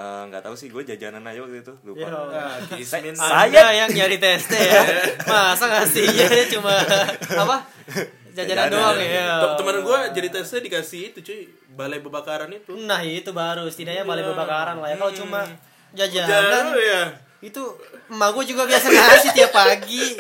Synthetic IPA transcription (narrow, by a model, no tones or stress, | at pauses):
əŋɡa̰t̪ausɪhɡuad͡ʒad͡ʒa̰nanajaaɡit̪t̪uluaksmɪnaajajaŋd͡ʒaɾit̪ɛst̪ɛjamasaŋast̪iɲajat͡ʃumaapa | d͡ʒad͡ʒanandoaŋaət̪əmənɡuad͡ʒadit̪ɛst̪ɛdikasiit̪ut͡ʃu | balajbəbakaɾanit̪unaɦit̪ubaɾust̪idaʔjabalajbəbakaɾanlajakalot͡ʃuma | d͡ʒad͡ʒananja | it̪umahɡuad͡ʒuɡabiasaɲasit̪iapːaɡi